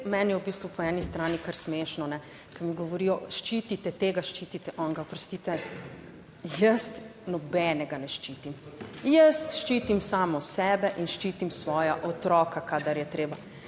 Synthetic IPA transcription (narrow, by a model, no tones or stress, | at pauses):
mɛnjɛwbist̪ʋupɔɛnist̪ɾaːnikəɾsmeːʃnɔnɛ | kɐmiɡɔʋɔɾiːjɔʃt͡ʃiːt̪it̪ɛt̪eːɡaʃt͡ʃiːt̪it̪ɛʔɔŋɡapɾɔst̪iːt̪ɛ | jəst̪nɔbɛnɛɡanɛʃt͡ʃit̪imjəst̪ʃt͡ʃiːt̪imsaːmɔsɛːbɛʔinʃt͡ʃiːt̪imsʋɔːjaʔɔt̪ɾɔːkakaːd̪aɾjɛt̪ɾeːba